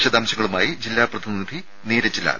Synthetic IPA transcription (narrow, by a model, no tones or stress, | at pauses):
ɕɐd̪aːmɕɐŋːɐɭumaːjid͡ʑilːaːprɐd̪inid̪ʱi | neːɾɐt͡ɕːila̰ːl